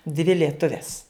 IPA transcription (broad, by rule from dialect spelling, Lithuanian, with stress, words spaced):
dʲʋʲɪ lʲiɛˈtʊʋʲɛs